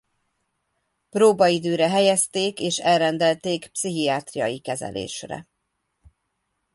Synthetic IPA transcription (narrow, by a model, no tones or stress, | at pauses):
proːbɒid̪øːɾɛɦɛjɛst̪eːkeːʃɛlrɛnd̪ɛlt̪eːkpsiɦiaːt̪rijɒ̰jikɛzɛ̰lʔḛːʃrɛ̰